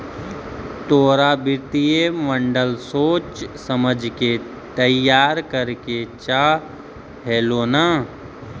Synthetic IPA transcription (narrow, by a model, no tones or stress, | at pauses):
t̪oːɾabɪɾt̪ijemə̃ɳɖəlsoːt͡ʃsəməd͡ʒʱke | t̪əjaːɾkəɾket͡ʃaː | ɦɛːloːnaː